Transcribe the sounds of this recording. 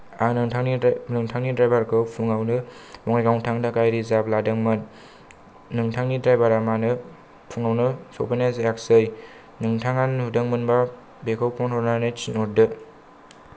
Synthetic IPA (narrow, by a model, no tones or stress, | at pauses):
anɯnɯŋtʰaŋnidɾajbaɾkʰɯwpʰuŋawnɯmɔŋajɡawŋtʰaŋdakajɾizapladɯŋmɯnː | ɯŋtʰaŋnidɾajbaɾamanɯ | pʰuŋawnɯsowpʰajnasjaksɯj | nɯŋtʰaŋanhudɯŋmɯnba | bekʰɯwpʰɔnhɔɾnanet͡ʃinɔɾdɯ